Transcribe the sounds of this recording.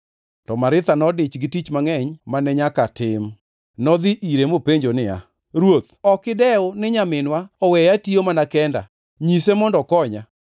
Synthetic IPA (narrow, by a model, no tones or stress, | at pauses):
tɔmaɾɪt̪anɔdɪt͡ʃɡɪtit͡ʃmaŋɛɲmanɛɲakatɪm | nɔd̪iʔiɾemopeɲd͡ʒonɪa̰ | ɾwot̪̚ɔkɪdɛʊnɪɲamɪnwaɔwɛjatiomanakɛnda̰ | ɲisemɔndɔkɔɲa